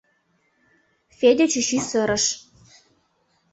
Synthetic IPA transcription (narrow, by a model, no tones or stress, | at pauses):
fed̪ʲet͡ɕyɕysɤ̆ɾə̆ʃ